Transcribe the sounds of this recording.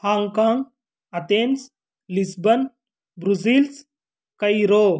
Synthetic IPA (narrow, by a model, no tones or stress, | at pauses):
haːŋɡkaːŋɡ | ɐt̪ens | lisbɐn | bɾuzils | kɐjɾoː